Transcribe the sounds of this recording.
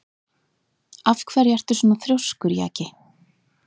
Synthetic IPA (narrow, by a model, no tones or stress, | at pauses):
afkʰvɛːɾjɛr̥t̪ʏ̥suːnaθɾjowskʏɾja̰ːcɪ